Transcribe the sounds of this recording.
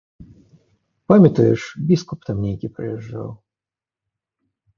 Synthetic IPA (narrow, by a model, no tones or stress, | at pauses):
pamʲɪt̪əjɪʂbʲiskʊpt̪amnʲejkʲipɾə̰jɛʐːa̰lˠ